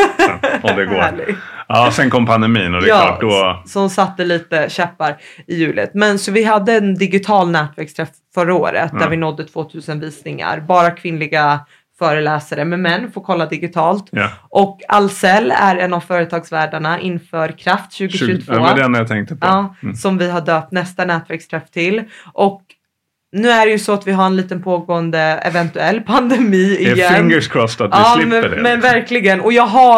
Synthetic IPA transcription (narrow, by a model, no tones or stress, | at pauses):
d̪ɛɡoːæːɭɪ̰ɡɑsɛnkʰɔmpʰand̪ɛmiːnɔd̪ɛjɑ̰ːd̪ɔsɔmsat̪ːəliːt̪əɕɛpːaɾɪjʉ̟ːlə̰t̪mɛnsɔvɪɦad̪ːəːnd̪ɪɡɪt̪ʰɑːlnɛːt̪væɾkst̪ʰɾɛf | fœɾːao̰ːɾə̰t̪̚d̪æɾvɪnɔd̪ːət̪ʰv̥oːt̪ʰʉ̟ːsənviːsnɪŋa̰ɾbɑːɾakʰvɪnlɪɡa | fœːɾəlɛːsaɾəmɛmɛnːfoːɾkʰɔlːad̪ɪɡɪt̪ʰɑːlt̪ʔɔkːa̰lsɛlːæ̰ɾɛnːavfœːɾət̪ʰɑːɡsvæːɖaɳaʔɪnːfœːɾkʰɾaft̪ɕʉ̟ːɡɪʃɵt̪ʰvːd̪ɛnːjat̪ʰɛŋk̚t̪əpʰɑːsɔmvɪɦaɖøːp̚t̪nɛst̪anɛːt̪væɾkst̪ʰɾɛft̪ʰɪlːʔɔk | nʉ̟ːæɖɛjɵsɔat̪vɪɦaɾɛnliːt̪ənpʰoːɡoːənd̪əɛ̰vɛnt̪ɵɛlːpʰand̪ɛmiːɪjɛnɪŋɡəskʰɾɔft̪at̪̚ɛɑːlɪ̰mɛnvæɾklɪɡənɔjɑːɡɦa